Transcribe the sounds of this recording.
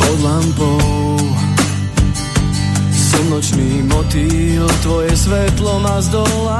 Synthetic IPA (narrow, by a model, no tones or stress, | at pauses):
ɔd̪lampɔ | sɛd̪nɔt͡ʃniːmɔt̪ilt̪ʋɔjɛsʋɛt̪lɔnazd̪ɔla